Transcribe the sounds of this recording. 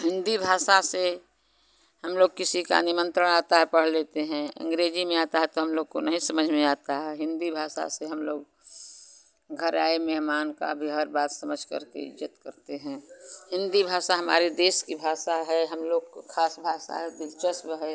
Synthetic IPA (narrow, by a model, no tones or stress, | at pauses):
ɦɪ̃nd̪ibʱaːʃase | həmloːɡ̚kɪsika̰nɪmə̃nt̪ɾəɽ̃aːt̪aɦɛpəɽ̤leːt̪eɦɛ̃ə̰̃ŋɡɾeːd͡ʒimẽaːt̪aɦɛt̪oɦəmloːɡ̚konɐɦĩsəməd͡ʒʱmẽaːt̪aɦɛɦɪ̃nd̪ibʱaːsa̰seɦəmloːɡ̚ | ɡʱəɾaːemɛɦmaːnka̰bʱiɦəɾbaːt̪səməd͡ʒʱkɐ̰ɾkḛɪ̰d͡ʒət̪kə̰ɾt̪eɦɛ̃ɦɪ̃nd̪ibʱaːʃaɦəma̰ːɾed̪eːskibʱaːʃaɦɛɦəmloːɡkʰaːsbʱaːʃa̰ɦɛd̪ɪlt͡ʃəsbɦɛ